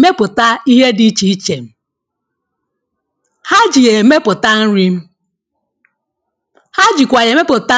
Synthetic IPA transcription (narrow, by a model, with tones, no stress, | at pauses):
me˦pʊ˨ta˦i˦ɦe˦di˦t͡ʃi˨i˦t͡ʃe˨m̩˦ | ha˦d͡ʒi˨je˨me˦pʊ˨ta˦n̩˦ɾi˦m̩˦ | ha˦d͡ʒi˨kʷa˨je˨me˦pʊ˨ta˦